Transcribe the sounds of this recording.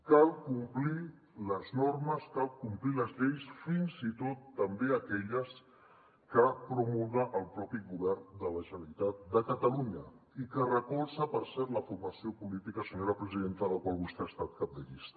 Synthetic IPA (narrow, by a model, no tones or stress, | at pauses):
kalˠkumpli | ləznorməskalˠkumpliləzʎejsfinzit̪ot̪ːəmbeəkɛʎəs | kəpɾumulɣəʔəlˠpɾɔpiɣuβɛrnd̪ələʒənəɾit̪at̪̚d̪əkət̪əluɲə | ikərəkɔlˠsəpəɾsɛɾt̪ləfurməsiopulit̪ikəsəɲoɾəpɾəziðent̪ələkwalˠβust̪eəst̪at̪̚kap̚d̪əʎist̪ə̥